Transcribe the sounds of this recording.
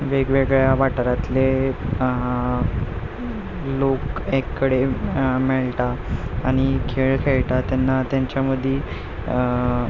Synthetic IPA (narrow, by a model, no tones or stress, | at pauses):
ʋeɡʋeɡɭjaʋaʈɾat̪le | lokekːəɽemeɭʈaːɽ̃ikʰeɭkʰeɭʈat̪janːat̪jaɲt͡ɕjaməd̪ʱːi